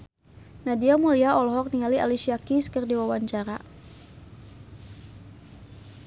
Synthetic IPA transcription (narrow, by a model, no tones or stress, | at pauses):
nadiamuliaɔlɔɦɔk̚nialia̰liʃiakiskərdiwawaɲt͡ʃaɾa̰